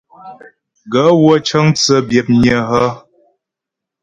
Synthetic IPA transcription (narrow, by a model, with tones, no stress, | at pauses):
ɡə˨˦wə˦t͡ʃə˦ŋt͡sə˦bjɛ˨p̚ɲə˦˨ɦə˦